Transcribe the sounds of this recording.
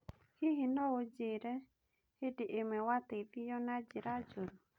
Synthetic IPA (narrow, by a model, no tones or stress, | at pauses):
hiɦinɔwod͡ʒeɾɛ | hediʔemɛwat̪evijɔnad͡ʒɪɾad͡ʒoɾo